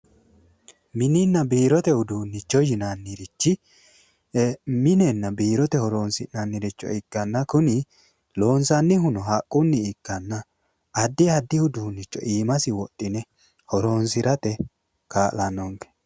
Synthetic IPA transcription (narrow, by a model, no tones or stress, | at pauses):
mɪnɪnːɐbiːɾɔt̪ɛhʊd̪uːnːɪt͡ʃːɔjɪnanːiɾɪt͡ʃːɪ | mɪnɛnːɐbiːɾɔt̪ɛhɔɾoːnsɪnanːiɾɪt͡ʃːɔ̰ɪɡ̥ːɐnːɐkʊnɪ | lo̞ːnsɐnːɪɦʊnɔɦɐkʼːʊnːɪːkːɐnːɐː | d̪ːɪɐd̪ːɪhʊd̪uːnːɪt͡ʃːɔ̰ʔiːmɐsɪwɔt̪ʼːɪnɛ | hɔɾoːnsɪɾɐt̪ɛ | kaːʔlɐnɔŋkɛ̥